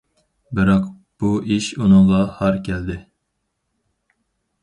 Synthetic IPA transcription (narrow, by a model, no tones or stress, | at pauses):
bɨɾɑq | b̥uiʃunɨŋʁɑhɑɾkʲʰɛld̪ɪ